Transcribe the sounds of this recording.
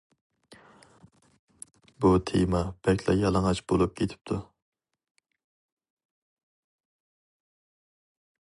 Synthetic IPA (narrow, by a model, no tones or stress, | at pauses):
but̪ʰḛmɑb̥ɛkʲʰlɛ̰jɑlˠŋɑt͡ʃbolˠup̚kʲʰet̪ʰɪ̥p̚t̪ʰu